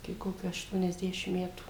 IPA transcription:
ɪkʲɪ ˈkoːkʲuː ɐʃtuɔnʲɛzʲˈdʲæːʃʲɪm ˈmʲæːtuː

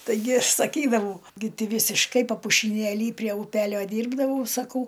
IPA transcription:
tɐɪˈɡʲɪ ˈɐʃ sɐˈkʲiːdɐʋɐʊ ɡʲɪ ˈtʲiː ˈʋʲiːsʲɪʃkɐɪ pɐpʊʃʲɪˈnʲeːlʲiː pʲrʲiɛ ʊˈpʲæːlʲoː ˈdʲiːrbdɐʋɐʊ sɐˈkɐʊ

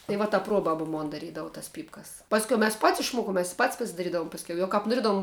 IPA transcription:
tɐɪ ˈʋɐ tɐ ˈpruɔbɐbɐ ˈmoːn dɐˈrʲiːdɐʋʊ tɐs ˈpʲiːpkɐs ˈpɑːsʲkʲɛʊ mʲɛs pɐtʲsʲ ɪʃˈmuɔkʊm mʲɛs ɪ pɐtʲsʲ pɐsʲɪdɐˈrʲiːdɐʋʊm pɐsʲˈkʲɛʊ jɛʊ kɐp noːˈrʲiɛdɐʋʊm

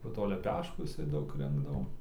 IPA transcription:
poː ˈtoː lʲɛˈpʲæːʃkuː jɪˈsɐɪ ˈdɐʊk ˈrʲɪŋɡdɐʋoː

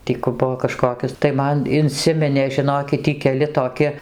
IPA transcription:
ˈtʲiː kʊ ˈbʊʋoː kɐˈʃkoːkʲoːs tɐɪ ˈmɐn ɪnʲˈsʲɪmʲɪnʲeː ʒʲɪˈnoːkʲɪt ˈtʲiː kʲɛˈlʲɪ toːˈkʲɪ

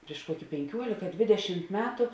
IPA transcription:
pʲrʲɪʃ ˈkuɔkʲɪ pʲɛŋʲˈkʲuɔlʲɪkɐ ˈdʲʋʲɪdʲɛʃʲɪmt ˈmʲæːtʊ

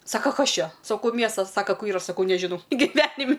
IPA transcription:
ˈsɑːkɐ ˈkɐs ˈt͡ʃʲɛ sɐˈkɐʊ ˈmʲiɛstɐs ˈsɑːkɐ ˈkʊr ˈiːrɐ sɐˈkɐʊ nʲɛˈʒʲɪnɐʊ ɡʲɪˈʋʲæːnʲɪmʲ

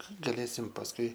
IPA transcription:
ɡɐˈlʲeːsʲɪm pɐsˈkʊɪ

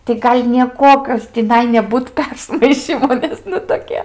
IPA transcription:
tɐɪ ˈɡɐlʲ nʲiɛˈkuɔkʲoːs tʲɪˈnɐɪ nʲɛˈbuːt ˈpʲɛrsmɐɪʃʲiːmoː ˈnʲɛs nʊ toːˈkʲiɛ

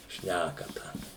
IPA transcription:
ˈʃʲnʲækɐtɐ

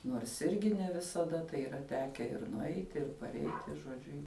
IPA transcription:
ˈnuɔrs ˈɪrʲɡʲɪ nʲɛ ʋʲɪsɐˈdɐ tɐɪ iːˈrɐ ˈtʲæːkʲɛ ɪr nʊˈɛɪtʲɪ ɪr pɐrʲˈɛɪtʲɪ ʒoːˈd͡ʒʲʊ

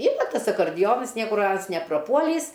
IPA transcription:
ˈiːrɐ ˈtɐs ɐkɐrʲˈdʲɪjoːnɐs ˈnʲiɛkʊr ˈɐns nʲɛprɐˈpuɔlʲiːs

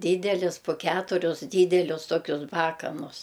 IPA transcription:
ˈdʲiːdʲɛlʲɪs poː ˈkʲæːtʊrʲʊs ˈdʲiːdʲɛlʲʊs ˈtoːkʲʊs ˈbɑːkɐnʊs

